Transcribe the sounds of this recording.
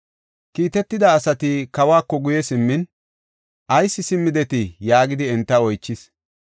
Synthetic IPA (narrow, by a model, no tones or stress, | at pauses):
kiːt̪ɛt̪ːɪd̪ɐːsɐt̪ɪkɐwaːkːɔɡʊjɛsɪmːɪn | ʔɐjsːɪsɪmːɪd̪ɛt̪ɪjaːɡɪd̪ɪɛnt̪ːɐɔjt͡ʃːɪs